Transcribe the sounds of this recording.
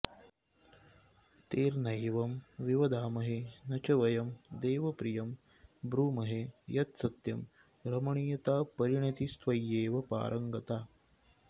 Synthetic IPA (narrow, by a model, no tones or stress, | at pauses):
t̪eːɾnɐjʋɐmʋiʋɐd̪aːmɐɦenɐt͡ʃɐʋɐjɐmd̪eːʋɐpɾijɐm | bɾuːmɐɦejɐt̪sɐt̪jɐm | ɾɐmɐɳiːjɐt̪aːpɐɾiɳit̪ist̪ʋɐjeːʋɐpa̰ːɾʔɐŋɡɐt̪aː